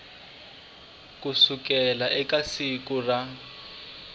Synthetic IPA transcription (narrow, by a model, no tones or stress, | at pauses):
kusukɛlaʔɛkasikura